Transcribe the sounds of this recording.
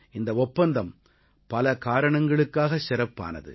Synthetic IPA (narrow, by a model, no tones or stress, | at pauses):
ɪnd̪ɐɔpːɐnd̪ɐm | pɐlɐkaːɾɐɳɐŋɡɐɭɯkːaːɣɐsɪɾɐpːa̰ːnɐ̰ðɯ̰